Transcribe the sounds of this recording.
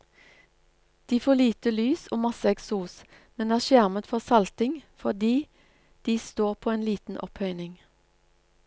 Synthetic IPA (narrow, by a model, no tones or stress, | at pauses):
d̪̥iːfoːliːt̪əlyːsoːmɑsəɛksuːs | mɛnæːʁʃjæʁmət̪fɔʁsɑlt̪ɪŋfɔd̪iː | d̪̥iːst̪oːʁpʰoːeːnliːt̪n̩ʔɔphœʏnɪŋ